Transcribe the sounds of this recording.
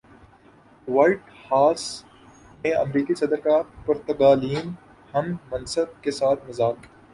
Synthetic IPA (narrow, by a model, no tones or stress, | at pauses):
ʋɐlʈ | haːs | mẽɐ̰mɾiːkisɐd̪əɾkapɐɾt̪ɐɡaːliːm | hɐmːɐnsəb̚kesaːt̪ʰmɐzaːk